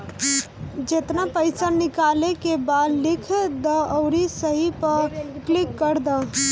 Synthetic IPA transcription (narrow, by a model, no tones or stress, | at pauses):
d͡ʒeːt̪napəɪsənɪkaːlekebad̪lɪkʰd̪əəʊɾisəɦipəɾklɪkːəɾd̪a